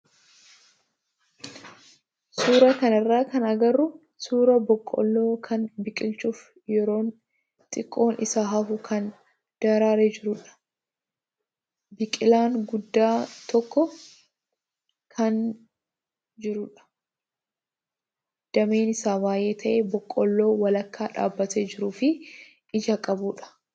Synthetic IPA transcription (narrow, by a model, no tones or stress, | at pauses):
suːɾɐkɐnɪrːaːkɐnɐɡɐrːʊ | suːɾɐbɔkʼːɔ̰lːoːkʰɐnbɪkʼɪlt͡ʃʼuf | jɛɾo̞ːn | t̪ʼɪkʼːo̞ːnʔɪsaːɦɐfʊkʰɐn | d̪̥ɐɾaːɾed͡ʒɪɾʊᶑɐ̥ | bɪkʼɪlaːŋɡʊd̪ːaːt̪ɔkːɔ | kʰɐn | d͡ʒɪɾʊᶑɐ̥ | d̪̥ɐmeːnɪsaːbaːje̞ːt̪ʰɐʔeːbɔkʼːɔlːo̞ːwɐlɐkːaːᶑa̰ːbːɐt̪eːd͡ʒɪɾuːfɪ | ʔɪd͡ʒɐkʼɐbuːᶑɐ̥